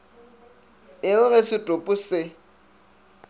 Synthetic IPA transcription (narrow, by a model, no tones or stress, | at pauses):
ɪlʊɣɛsɪtʼʊpʼʊsɪ